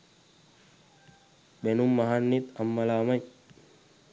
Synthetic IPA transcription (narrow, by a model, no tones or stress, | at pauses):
benumːaɦanːit̪ɐmːɐlaːmɐj